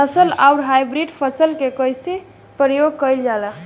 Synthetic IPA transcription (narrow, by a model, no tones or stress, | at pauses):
əsəlaʊɾɦajbɾiɖpʰəsəlkekəjse | pɾəjoɡ̚kəjld͡ʒalə